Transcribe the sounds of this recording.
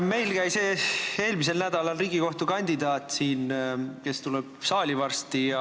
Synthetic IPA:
me̞jlkæjseːe̞ːlmis̬e̞lnæd̪ɑlɑlriːɡiko̞ht̪ukɑnʲd̪̥id̪ɑːt̪ːˑsiːnke̞st̪ulɛb̥sɑːlʲivɑrst̪iɑ

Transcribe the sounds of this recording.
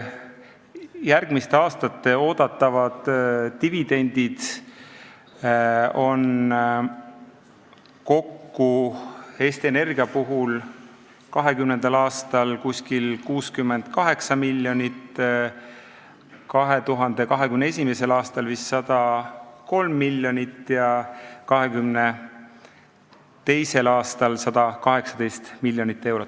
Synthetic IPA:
jærɡ̥mist̪e̞ɑːst̪ɑt̪ːe̞o̞ːd̪̥ɑt̪ˑːɑvɑd̪̥ːivid̪̥e̞nʲd̪̥id̪̥ | o̞n | ko̞kːu | e̞ːst̪iene̞rɡ̥iɑpuɦul | kɑɦe̞kymne̞nd̪̥ɑlɑːst̪ɑlkusʲkilkuːskymːend̪̥kɑɦe̞ksɑmilʲːjo̞nit̪ | kɑɦe̞t̪uɦɑnd̪e̞kɑɦe̞kymnee̞s̬ʲime̞se̞lɑːst̪ɑlvisːɑd̪̥ɑko̞lmːilʲjo̞nit̪ːˑjɑkɑɦe̞kymne | t̪e̞jse̞lɑːst̪ɑlsɑd̪̥ɑkɑɦe̞ksɑd̪e̞jst̪milʲːjonit̪ːe̞wɾot̪ːˑ

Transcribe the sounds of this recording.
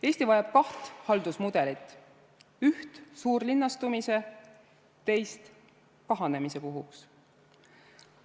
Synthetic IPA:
e̞ːsʲt̪ivɑjɑb̥̚kɑht̪hɑld̪̥usmud̪̥e̞lit̪ːˑ | yht̪suːrlinːɑst̪umise̞ | t̪e̞jst̪ | kɑɦɑne̞mise̞puɦuks

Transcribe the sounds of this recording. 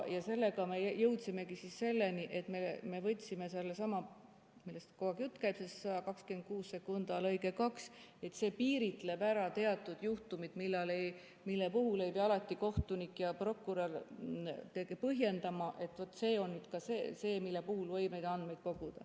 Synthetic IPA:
jɑse̞lːe̞ɡɑme̞jɤwt̪sime̞kisisse̞lːeniʔe̞t̪meme̞vɤt̪ʲːˑsime̞selːesɑmɑ | milːest̪koɑɡjut̪ːˑkæjbsessɑɑkɑkskyend̪̥̚kuːsse̞kund̪ɑlɤjɡekɑkse̞t̪se̞ːpiːɾit̪ˑle̞bæɾɑt̪e̞ɑt̪ːˑud̪̥juht̪umid̪̥milːɑlej | milːepuɦulejbiɑɑlɑt̪ːˑiko̞ht̪unikːjɑpro̞kːˑuɾɑl | t̪ekepɤɦje̞nd̪̥ɑmɑʔe̞t̪ːˑvot̪ːˑse̞ːo̞nːyːd̪̥kɑsḛse̞ːmilːepuhulvɤjbnejd̪ɑnd̪mejd̪̥ko̞ɡ̥ud̪̥ɑ̰

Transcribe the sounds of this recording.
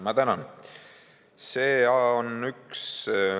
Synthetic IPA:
mɑt̪ænɑn | seːɑonyks

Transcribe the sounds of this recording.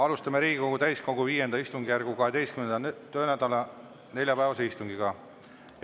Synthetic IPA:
ɑlust̪ɑmeɾiːɡ̥iko̞ɡ̥ut̪æjsko̞ɡuviːje̞nd̪ɑist̪uŋɡijærɡ̥ukɑɦe̞d̪e̞jst̪kymnenɑt̪øːnæd̪̥ɑlɑ | ne̞lʲjɑpæevɑse̞ist̪uŋɡiɡ̥ɑ

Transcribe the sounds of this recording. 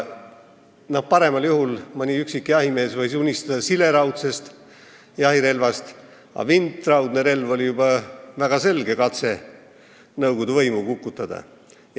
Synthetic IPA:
nɑ̥pɑɾe̞mɑljuhulmɑnʲiyksikːijɑɦime̞ːsvɤjsunʲist̪ɑd̪̥ɑsile̞ɾɑwt̪se̞st̪ | jɑɦiɾe̞lvɑst̪ | ɑ̰vint̪ˑːrɑwd̪̥neɾe̞lvo̞lʲijubɑvæɡ̥ɑse̞lɡ̥e̞kɑt̪se̞ | nɤwɡ̥od̪̥uvɤjmukukːut̪ːˑɑd̪̥ɑ̰

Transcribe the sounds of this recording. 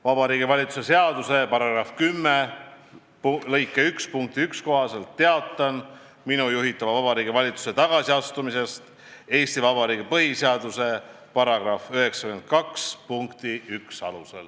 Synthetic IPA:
vɑbɑɾiːɡivɑlʲit̪su̥se̞se̞ɑd̪̥use̞pɑɾɑɡ̥rɑfkymːe | plɤjkːˑeykspuŋk̚t̪iyksko̞ɦɑse̞lt̪ːe̞ɑt̪ːˑɑn | minujuɦit̪ːˑɑvɑvɑbɑɾiːɡivɑlʲit̪su̥se̞t̪ɑɡ̥ɑsiɑst̪umise̞st̪ | e̞ːst̪ivɑbɑɾiːɡipɤɦiseɑd̪use̞ | pɑɾɑɡ̥rɑfyɦe̞ksɑkymend̪̚kɑkspuŋkt̪iyksɑ̰lusḛl

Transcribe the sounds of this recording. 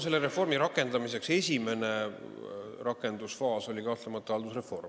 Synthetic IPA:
se̞lːeɾe̞fo̞rmiɾɑkːˑe̞nd̪ɑmise̞kse̞sʲime̞ne̞ | rɑkːˑe̞nd̪̥usfɑːso̞lʲikɑht̪lemɑt̪ːˑɑɑld̪usre̞fo̞rm

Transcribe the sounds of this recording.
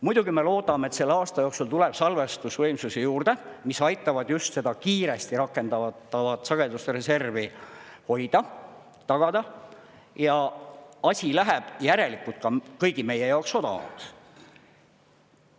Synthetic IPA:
mud̪̥uɡ̥ime̞lo̞ːd̪ɑmet̪se̞lːeɑːst̪ɑjo̞ksult̪uleb̥sɑlvest̪usvɤjmsusejuːrd̪̥e̞misɑjt̪ːˑɑvɑd̪̥just̪se̞d̪̥ɑkiːɾe̞st̪iɾɑkːˑe̞nd̪ɑɑt̪ːɑvɑt̪sɑɡ̥ed̪ust̪eɾe̞se̞rviho̞jd̪̥ɑ | t̪ɑɡ̥ɑd̪̥ɑ | jɑɑsʲilæɦeb̥jæɾe̞likːˑult̪̚kɑkɤjɡime̞je̞jɑokso̞d̪ɑ̰ɑ̰d̪̥

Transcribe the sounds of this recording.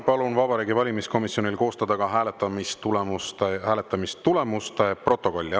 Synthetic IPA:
pɑlunvɑbɑɾiːɡivɑlʲimisko̞misjo̞nʲilko̞ːst̪ɑd̪̥ɑɡɑɦæːlet̪ːˑɑmistt̪ulemust̪ehæːlet̪ːˑɑmist̪ːule̞must̪epro̞t̪ːˑo̞ko̞lʲːɑ

